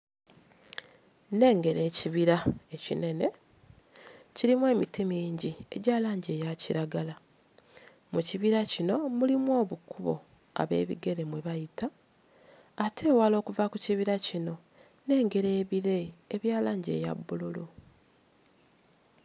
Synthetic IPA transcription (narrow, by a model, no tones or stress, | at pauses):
ne̞ːŋɡe̞ɾe̞ːciβiɾae̞cḭne̞ne̞ | ciɾimwe̞ːmitimiːɲɟie̞̰ɟaːlaːɲɟe̞ːjaciɾaɡala | muciβiɾacino̞mulimwo̞ːβukuβo̰ | a̰βe̞̰ːβḭɡe̞ɾe̞mwe̞βajitaː | tʰe̞ːwalo̞ːkuvakuciβiɾacino̞ | ne̞ːŋɡe̞ɾeːβiɾe̞ːβjaːlaːɲɟe̞̰ːja̰bːululu